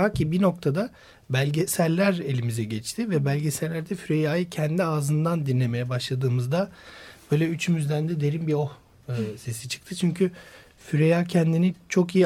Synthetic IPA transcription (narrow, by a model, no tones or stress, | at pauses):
acʰibino̞k̚t̪ʰad̪a | bælʲɟɛsælʲæɾe̞lʲimizɛɟɛt͡ʃt̪ʰivɛbælʲɟesæɾlʲæɾd̪ɛfyɾejaːjɯcʰɛnd̪iaːzɯnd̪and̪inlʲe̞me̞jɛbaʃlˠad̪ɯːmɯzd̪ab̥ø̞ːjlʲɛyt͡ʃʰymyzd̪ænd̪ɛd̪e̞ɾimbio̞h | ɯse̞sit͡ʃʰɯ̥k̚t̪ʰɯt͡ʃʰyɲcʰy | fyɾejaːcʰɛnd̪init͡ʃʰo̞kiji